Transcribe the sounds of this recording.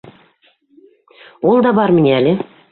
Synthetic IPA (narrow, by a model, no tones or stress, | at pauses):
olˠd̪ɑbɑɾmɘ̆nʲeælʲɘ